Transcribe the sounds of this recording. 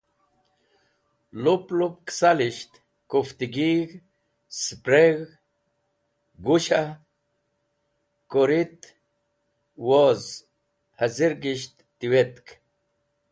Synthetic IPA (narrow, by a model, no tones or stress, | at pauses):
luplup̚ksaliɕt̪ | kuft̪iɡiɣ | spɾeɣ | ɡuɕa | koɾit̪ | woz | haziɾɡiɕt̪ːiwet̪k